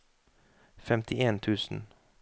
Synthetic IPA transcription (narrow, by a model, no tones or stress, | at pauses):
fɛmt̪ʰɪʔeːnt̪ʰʉːsn̩